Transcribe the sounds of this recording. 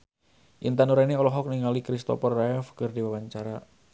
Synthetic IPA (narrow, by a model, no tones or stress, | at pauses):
ʔḭnt̪anuɾaineɔlɔɦɔk̚niŋalikɾist̪ɔ̰pɔrːaɛfkərdiwawaɲt͡ʃaɾa